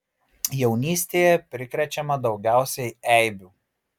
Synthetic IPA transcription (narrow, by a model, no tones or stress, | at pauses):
jɛʊnʲiːsʲt̪ʲeːjɛpʲɾʲɪkɾʲɛt͡ʃʲɛmɐd̪ɒʊɡʲæˑʊsʲɛɪɛˑɪbʲuː